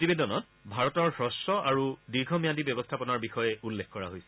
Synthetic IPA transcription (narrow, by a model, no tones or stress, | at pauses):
tibedɔnɔt | bʱaɹɔtɔɹhɹɔsɔʔaɹudiɹɡʱɔmijatibjɔbɔstʰapɔnaɹbixɔjɛulːexkɔɹa̰ɦojsɛ̥